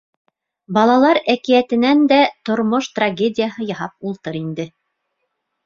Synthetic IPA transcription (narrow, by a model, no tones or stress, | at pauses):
bɑlˠɑlˠɑɾækijæt̪ɘ̆nænd̪æt̪ŏɾmoʃt̪raɡʲedʲɪjaɦɤjɑɦɑp̚ulˠt̪ɤɾind̪ɘ